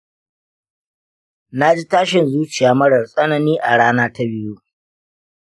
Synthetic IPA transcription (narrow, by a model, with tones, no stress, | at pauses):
na˦d͡ʒi˦taː˦ʃɪ˨nzuː˦t͡ʃɪ˨jaː˨mɐ˦ɽɐ˨rsʼɐ˦na˨niː˦ʔa˨ɽaː˦naː˦ta˦bɪ˦ju˦ʔ